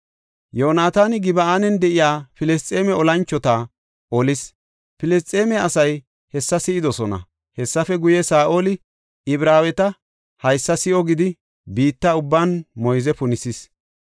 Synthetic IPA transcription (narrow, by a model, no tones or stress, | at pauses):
joːnaːt̪aːnɪɡɪbɐaːnɛnd̪ɛʔɪjaːfɪlɛst͡sʼeːmɛɔlɐnt͡ʃːɔt̪ɐ | ʔɔlɪs | pɪlɛst͡s̪ʼːeːmɛɐsɐj | hɛsːɐsɪɪd̪ɔsɔnɐ̰ | hɛsːɐfɛɡʊjɛsaːʔo̞ːlɪ | ɪbɾaːwɛt̪ɐ | hɐjsːɐsɪʔɔɡɪd̪ɪ | biːt̪ːɐʊbːaːnmɔjzɛpʊnɪsɪs